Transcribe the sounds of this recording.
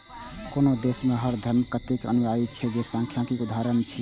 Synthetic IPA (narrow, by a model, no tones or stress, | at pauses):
konod̪esmeɦəɾd̪ʱəmkət̪ekə̰nuʋait͡ʃʰɛd͡ʒesə̃ŋkʰjãkikud̪ʱaɾənt͡ʃʰi